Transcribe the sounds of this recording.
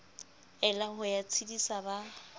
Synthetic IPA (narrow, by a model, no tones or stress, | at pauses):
ɛlahʊjat͡sʰidisaba